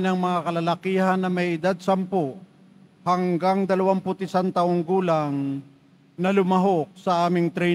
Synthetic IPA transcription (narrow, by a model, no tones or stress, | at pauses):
nɐŋmɐŋakɐlɐlɐkiːhɐnːɐmɐjʔɪd̪ad̪̚sɐmpo | hɐŋɡaŋd̪ɐlɐwampʊt̪ɪsant̪ɐʔoŋɡuːlɐŋ | nɐlʊmɐɦok̚sɐʔaːmɪŋt̪ɾɛ